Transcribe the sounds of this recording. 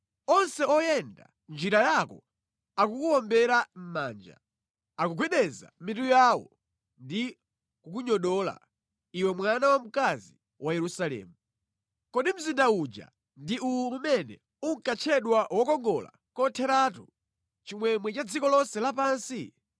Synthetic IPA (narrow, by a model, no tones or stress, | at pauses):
ɔnsɛɔjɛnda̰ | nd͡ʒiɾajakɔ̰ | akukuwɔmbɛɾam̩maːnd͡ʒa̰ | akuɡwiɗɛza̰mitujaːwɔ̰ | ndi | kukuɲɔɗɔla̰ | iwɛmwanawam̩kazi | wʔajɛɾusalɛ̰ːmu | kɔɗim̩zindaud͡ʒa̰ | ndiuuumɛnɛ̰ | uŋ̩kat͡ʃʰɛɗwawɔkɔŋɡɔla̰ | kɔtʰɛɾaːtu | t͡ʃimwɛmwɛt͡ʃad͡zikɔlɔnsɛlapaːnsi